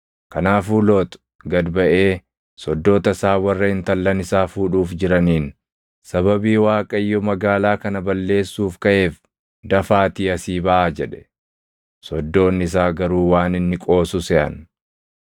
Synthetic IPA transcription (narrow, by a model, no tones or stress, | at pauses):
kɐnaːfuːlo̞ːt̪ʊ̥ | ɡɐd̪bɐʔe̞ː | sɔd̪ːoːt̪ɐsaːwɐrːɐhɪnt̪ɐlːɐnɪsaːfuːᶑuːfd͡ʒɪɾɐniːn | sɐbɐbiːwaːkʼɐɪjːɔmɐɡaːlaːkɐnɐbɐlːe̞ːsːuːfkɐʔe̞ːf | d̪ɐfaːt̪iːɐsiːbɐʔaːd͡ʒɛᶑɛ̥ | sɔd̪ːo̞ːnːɪs̬aːɡɐɾuːwaːnɪnːɪkʼo̞ːsʊsɛʔɐ̰n